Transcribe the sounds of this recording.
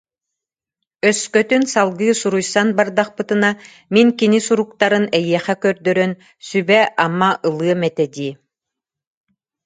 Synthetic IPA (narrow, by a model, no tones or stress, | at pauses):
œskœt̪ynsalˠɡɯːsuɾujsanbaɾd̪aχpɯt̪ɯna | miŋkinisuɾuk̚t̪aɾɯnɛjiɛχɛkœɾd̪œɾœn | sybɛʔamaʔɯlˠɯɐmɛt̪ɛd̪iː